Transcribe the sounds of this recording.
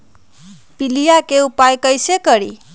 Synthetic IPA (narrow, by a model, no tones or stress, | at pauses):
pilijakeupajkʌjsekʌɾḭ